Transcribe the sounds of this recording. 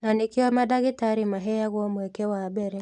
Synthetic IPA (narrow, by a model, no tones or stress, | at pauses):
nanekiwamadaɣetaɾimaɦɛjaɣwɔmwɛkɛwabɛɾɛ